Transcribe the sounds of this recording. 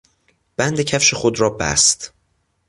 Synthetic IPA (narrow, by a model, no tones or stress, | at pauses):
b̥ænd̪ecʰæfʃexod̪ɾɒːbæ̰st̪